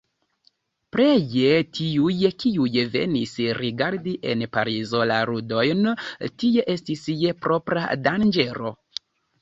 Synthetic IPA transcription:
pɾejetʰiujkiujve̞̰nisɾiɡaɾdiʔe̞̰npaɾizo̞laɾudo̞jntije̞ʔe̞stisje̞pɾo̞pɾa̰dand͡ʒe̞ɾo̞̰

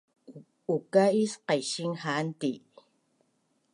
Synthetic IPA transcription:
ukaisqajʃiŋhant̪i

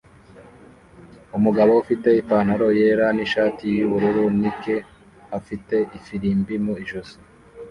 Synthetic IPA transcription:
umuɡaβo̞ufite̞ipaːn̥aɾo̞je̞ːɾaniʃaːtijuβuɾuɾunike̞ | afite̞ʔifiɾiːmbimuiʒuzo̥

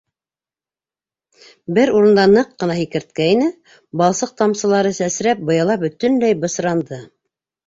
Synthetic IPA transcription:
bɘɾuɾɤ̆nd̪ɑnɤqːɤ̆nɑɦikɘ̆ɾt̪̚kæinɘ | bɑlˠsɤq̚t̪ɑmsɤ̆lˠɑɾɤsæsɾæp̚bɤ̆jɑlˠɑbɵ̆t̪ɵ̆nlæjbɤ̆sɾɑnd̪ɤ

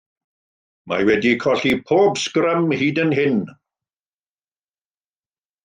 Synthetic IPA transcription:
ma̰wɛdikʰɔɬipʰoːbskɾəmhiːdənɦɪn

